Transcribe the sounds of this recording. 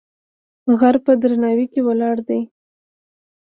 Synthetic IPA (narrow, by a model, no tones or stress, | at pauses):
ɣaɾpəd̪ɾanɑwikewalɑɽd̪aj